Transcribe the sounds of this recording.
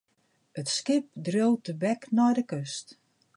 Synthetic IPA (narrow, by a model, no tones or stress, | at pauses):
ətskɪp̚drowtəbɛknɔjdəkøst